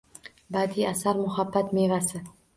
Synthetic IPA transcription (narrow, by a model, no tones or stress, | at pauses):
bad̪iasaɾmʊɦabːat̪mevasɪ